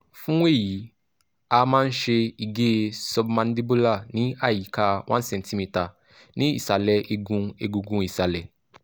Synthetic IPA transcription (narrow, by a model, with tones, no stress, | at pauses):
fũ˦we˦˨ji˨˦ | a˧mãː˦n̩˦ʃe˧i˨ɡe˦˧sɔ˧bmã˧n˦di˦bo˦la˦˨nĩ˨˦a˦˨ji˨˦ka˧w̃ʔã˦n˦sɛ̃˧n˦ti˦mi˧ta˨ | nĩ˨˦ḭ˦˨sa˨lɛ˨˦ʔe˧ɡũ˧e˧ɡu˧ɡũ˧i˦˨sa˨lɛ˨